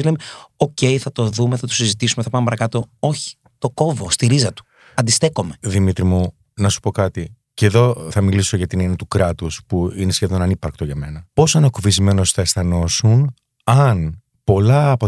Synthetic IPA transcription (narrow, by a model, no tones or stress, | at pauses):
lemeo̞ce̞jθɐt̪o̞ðumeθɐt̪osizit̪isumeθɐpɐmepɐɾɐkɐt̪o̞o̞çi̥ | t̪o̞ko̞vo̞st̪iɾizɐt̪u̥ | ɐnd̪ist̪e̞ko̞me̞ðimit̪ɾimu | nɐsu̥po̞kɐt̪i | ce̞ðo̞θɐmiliso̞ʝɐt̪inenet̪ukɾɐt̪uspuine̞sçe̞ðo̞nɐnipɐɾkt̪oʝɐme̞nɐpo̞sɐnɐkuvizme̞nosθɐesθɐno̞sun | ɐn | po̞lɐːpo